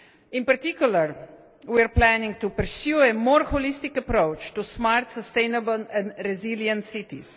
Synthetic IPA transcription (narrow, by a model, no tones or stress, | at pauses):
ĩnpɐɾt̪ikjuləɾ | wiaɾplɛnĩŋɡ̚t̪upəɾsjuɛmɔːɾhɔlist̪ikəpɾoʊt͡ʃt̪usmaɾt̪səst̪ẽɪnəbəlɛ̃nd̪ɾɛziljə̃nt̪sit̪ḭs